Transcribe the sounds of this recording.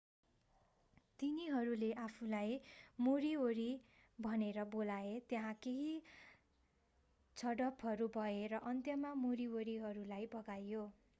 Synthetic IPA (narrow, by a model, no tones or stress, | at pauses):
t̪iniɦʌɾuleʔapʰulajmoɾioɾi | bʱʌneɾʌbolaet̪jeɦãkeɦi | t͡sʰʌɽʌpʰɦʌɾubʱʌeɾʌʔʌnt̪jʌmamoɾioɾiɦʌɾulajbʌɡajo